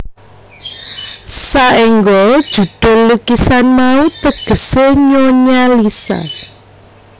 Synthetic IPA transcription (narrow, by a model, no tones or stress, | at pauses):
saʔiŋɡɔd̥ʒ̥ṳd̪̥o̤lukisanmaut̪əɡ̥ə̤seɲoɲalisa̰